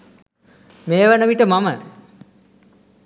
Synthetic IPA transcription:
meːʋənəʋiʈəmamə

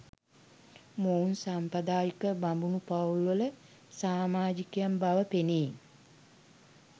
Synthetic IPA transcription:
mounsampəd̪aːjikəbambunupaulʋələ | saːmaːd͡ʒikejambaʋəpeniː

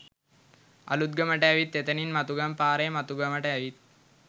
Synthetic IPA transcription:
ɐ̰lut̪̚ɡɐməʈɐjɐʋit̪ːet̪ɐninmɐt̪uɡɐmpaːɾeːmɐt̪uɡɐməʈɐɐʋit̪̚

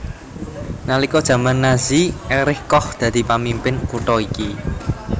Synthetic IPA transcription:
nalikɔd̥ʒ̥ä̤manːaziʔɛɾɪhkɔhd̪̥ä̤d̪̥i̤pamimpɪnkuʈɔiki

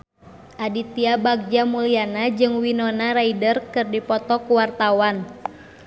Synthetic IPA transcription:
ʔadit̪iabaɡ̚d͡ʒamulianad͡ʒɨŋwinɔnaɾaidərkɨrdipɔt̪ɔkuwart̪awan

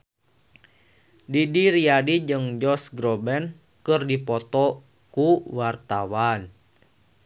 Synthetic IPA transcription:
didiɾiadid͡ʒɨŋd͡ʒɔsɡɾɔbɛn | kɨrdipɔt̪ɔ | kuwart̪awan

